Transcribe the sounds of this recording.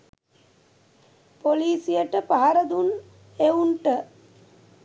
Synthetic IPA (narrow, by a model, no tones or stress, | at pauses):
poliːsijəʈəpaɦaɾəd̪un | eunʈə